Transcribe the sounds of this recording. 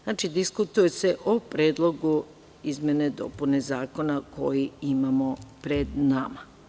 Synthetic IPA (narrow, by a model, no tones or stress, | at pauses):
znaːt͡ʃid̪iskut̪uje̞se̞ʔopɾeːd̪lˠo̞ɡu | izmʲje̞ne̞d̪o̞̰pune̞zaːko̞nakʰo̞jiimamo̞pɾe̞d̪nama